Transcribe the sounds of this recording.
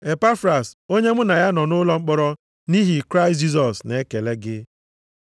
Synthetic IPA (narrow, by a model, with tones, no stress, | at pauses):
e˨pa˦fɾa˨so˦ɲe˦mʊ˦na˨ja˦nɔ˨nʊ˦lɔ˦ŋ͡m̩˦k͡pɔ˦ɾɔ˦ | ni˦ɦi˨kɾa˦ɪ˨st̬d͡ʒi˦s̬ɔ˨sne˨˦ke˨le˦ɡɪ˦